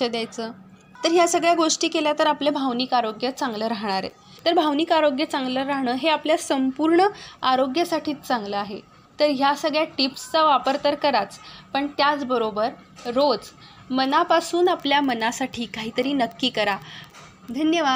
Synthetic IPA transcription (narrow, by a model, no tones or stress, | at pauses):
əd̪jajt͡səː | t̪əɾɦjasəɡɭjaɡoʂʈiːkeljat̪əɾaplebʱaʋnikaɾoɡjət͡saŋɡləːɾaɦɳ̃aɾḛ | t̪əɾbʱaʋniːkaɾoɡjət͡sãŋɡləɾaɦɳəːɦeapljasəmpuɾɳəaɾoɡjəsaʈʰiːtt͡sãŋɡləaɦe | t̪əɾɦjasəɡɭjaʈipst͡saʋapəɾt̪əɾkəɾat͡spəɳt̪jat͡sbəɾobəɾ | ɾod͡zmənapasuːnapljamənasaʈʰiːkaɦiːt̪əɾiːnəkːiːkəɾa | d̪ʱənjəʋa